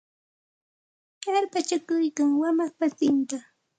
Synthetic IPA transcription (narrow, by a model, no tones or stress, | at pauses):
jaɾpat͡ʃakʊjkaŋwamakpasɪnt̪a